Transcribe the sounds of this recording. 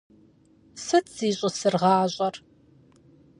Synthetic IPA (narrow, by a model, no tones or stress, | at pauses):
sɨtʰz̥iːɕʼɪsɨrʁɑːɕʼɐr